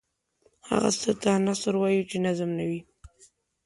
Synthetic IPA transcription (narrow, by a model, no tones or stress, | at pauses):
ha̰ɣa̰sət̪anasəɾwɑjut͡ʃenazmnawi